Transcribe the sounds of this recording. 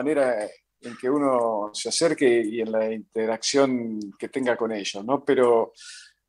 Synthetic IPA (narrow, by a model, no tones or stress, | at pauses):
ane̞ɾa | eŋke̞uno̞seaseɾkeienlaint̪eɾaksjo̞ŋket̪e̞ŋɡako̞neʒosno̞peɾo